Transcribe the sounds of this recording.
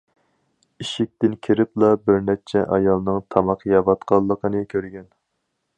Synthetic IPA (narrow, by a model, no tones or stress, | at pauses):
iʃɪk̚ʲt̪ɪnkʲʰiɾɪplˠɑbɪɾnɛt͡ʃʰɛʔɑjɑlˠnɨŋt̪ʰɑmɑqʰjɑvɑt̪qʰɑlˠːəqʰənɨkʲʰøɾɡʲɛn